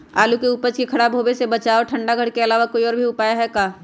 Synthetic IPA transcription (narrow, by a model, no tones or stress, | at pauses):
aːlukeupəd͡ʒkikʰɐɽabʱoːbesebɐt͡ʃaːoʈʰɐ̃ɳɖaɡʱɐɽkeɐlaːʋakoːiɔːɾbʱiʊpaːjaɦɛkaː